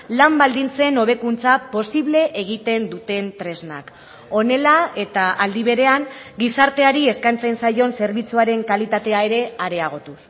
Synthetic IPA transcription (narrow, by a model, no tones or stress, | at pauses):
lambald̪int͡se̞no̞β̞e̞kunt͡sapo̞siβle̞ʔːɣit̪e̞nd̪ut̪e̞nt̪ɾe̞zna̰k | o̞ne̞lae̞t̪aʔald̪iβ̞e̞ɾe̞aŋɡisaɾt̪e̞aɾie̞skajnt͡sajnsajo̞nse̞ɾβit͡suaɾe̞ŋkalit̪at̪e̞ae̞ɾe̞aɾe̞aɣ̞o̞t̪us